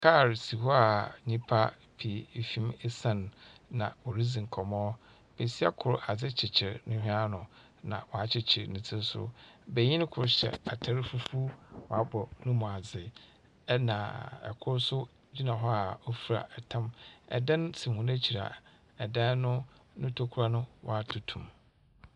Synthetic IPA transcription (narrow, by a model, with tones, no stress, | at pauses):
kʰa˦˨ɾsi˨hɔ˦a˨ɲĩ˦pʰa˦ | pʰi˨˦fĩ˦mɪ˦sã˦˨nːã̰˨wo˨ɾi˦d͡zĩ˨ŋ̩˨kʰɔ˨mɔ̃˦ | b̥ɛ˨si˦a˦kʰʊ˨ɾʊ˦˨ʔa˨d͡zɪ˦t͡ɕʰɪ˨t͡ɕʰɪ˨ɾnɪ̃˦hᶣĩ˦a˦nʊ̃˨ | nã̰˨wɔ˨a˨t͡ɕʰɪ˦t͡ɕʰɪ˨ɾnɪ̃˨t͡sʰɪ̃˦sʊ̰˦bɛ˨ɲĩ˦n˦kʰʊ˨ɾɕɛ̰˨a˨tʰa˦ɾɪ˦fu˦fu˦wɔ˨a˦bɔ˨nʊ̃˦mũ˨a˨d͡zɪ˨ | ɛ˦nã̰˨ɛ̰˨kʰʊ˦ɾsʊ˦ | d͡ʑi˦nã˨ɦɔ˦a˨o˦fi˨ɾa̰˨ʔɛ˨tʰã˦mɛ̰˨dã˦nsi˨hũ˨næ˦t͡ɕʰi˨ɾa̰˨ | ɛ˨dã˦nʊ̃˦nʊ̃˦tʰo˦kʰu˦ɾa˦nʊ̃˦wɔ̰˨a˦tʰʊ˨tʰũ˨m